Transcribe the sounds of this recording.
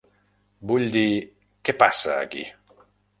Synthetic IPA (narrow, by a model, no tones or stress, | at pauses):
buʎd̪i | kepasːa̰a̰k̟ḭ